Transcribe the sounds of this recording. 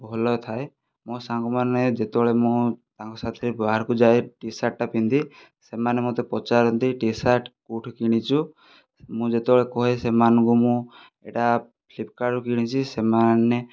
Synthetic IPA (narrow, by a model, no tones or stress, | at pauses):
bʱɔlɔt̪ʰae | mɔ̃sãŋkɔmaned͡ʒet̪eɔɭemũt̪ãŋkɔsat̪ʰɾebaaɾkud͡ʒaeʈisaʈ̚ʈapint̪i | semanemot̪epɔt͡ʃaɾɔnt̪iʈisaʈkuʈʰkiɽ̃it͡ʃʰu | mũd͡ʒet̪ebɔɭekɔɦesemanɔ̃ŋkumũ | ḛʈa | pʰlip̚kaɖukiɽ̃it͡ʃʰisemane